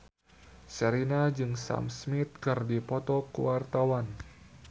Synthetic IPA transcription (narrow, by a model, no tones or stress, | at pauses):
səɾinad͡ʒɨŋsa̰msmit̪̚kərdipɔt̪ɔkəwart̪awan